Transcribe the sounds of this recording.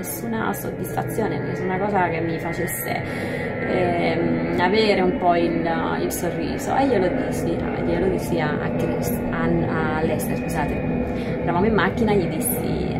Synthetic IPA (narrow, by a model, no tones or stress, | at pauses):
esːuna̰so̰d̪ːisfa̰t̪sːjoːnenesːunakɔːzak̟emːifat͡ʃesːḛ | aveːɾeumpɔililsorːḭːzo̰ʔejelod̪isia̰ḛjelod̪isiaa̰kːɾɛs | aa | lːɛst̪eɾskuzaːt̪e | ɛɾavamoimːakːinaʎːid̪isːḭ